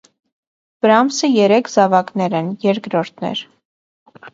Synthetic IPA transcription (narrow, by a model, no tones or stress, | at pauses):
b̥ɾɑmsəjɛɾɛkʰzɑvɑknɛɾɛnjɛɾkɾɔɾt̪ʰnɛ̰ɾ